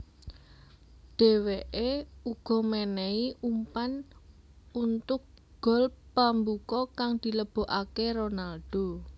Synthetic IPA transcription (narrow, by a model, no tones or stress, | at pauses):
ɖ̪̥e̤weʔeuɡ̥ɔ̤menɛiʔumpan | unt̪ʊk̚ | ɡ̥ɔ̤lpambukɔkaŋd̪̥i̤ləb̥o̤ʔakeɾonalɖ̪̥o̤